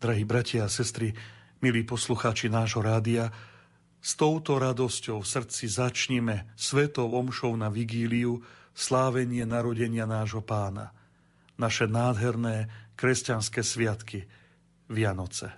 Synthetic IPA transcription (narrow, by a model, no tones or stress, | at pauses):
d̪ɾaɦiːbɾacɪaasɛst̪ɾi | miliːpɔsluxaːt͡ʃinaːʒɦɔɾaːd̪ia | st̪ɔʊt̪ɔɾad̪ɔscɔʊfsr̩t͡sizat͡ʃɲɛmɛsʋɛt̪ɔʊɔmʃɔʊnaʋiɡiːliu | slaːʋɛɲɪɛnaɾɔɟɛɲɪanaːʒɦɔpaːna̰ | naʃɛnaːd̪ɦɛɾnɛːkɾɛscanskɛːsʋɪat̪ki | ʋɪanɔt͡sɛ